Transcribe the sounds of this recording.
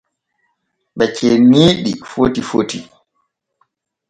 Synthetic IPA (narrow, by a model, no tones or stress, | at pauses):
ɓɛt͡ʃɛniːɗifotifoti